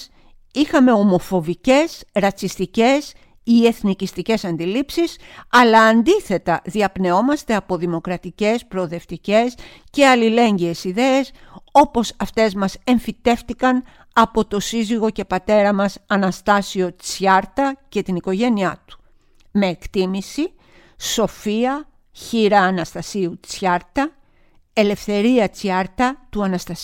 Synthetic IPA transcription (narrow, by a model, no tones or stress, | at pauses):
ixɐme̞o̞mo̞fo̞vice̞sɾɐt͡sist̪ice̞s | ie̞θnicist̪ice̞sɐnd̪ilipsisɐlɐːnd̪iθe̞t̪ɐðiɐpne̞o̞mɐst̪eɐpo̞ðimo̞kɾɐt̪ice̞spɾo̞ðe̞ft̪ice̞s | ce̞ɐlile̞ɲɟiesiðe̞eso̞po̞sɐft̪e̞zmɐse̞ɱfit̪e̞ft̪ikɐn | ɐpo̞t̪o̞siziɣo̞ce̞pɐt̪e̞ɾɐmɐsɐnɐst̪ɐsio̞t͡sçɐɾt̪ɐce̞t̪iniko̞ʝe̞niɐt̪u̥ | me̞ːkt̪imisi | so̞fiɐ | çiɾɐːnɐst̪ɐsiut͡sçɐɾt̪ɐ | e̞le̞fθe̞ɾiɐt͡sçɐɾt̪ɐt̪uɐnɐst̪ɐs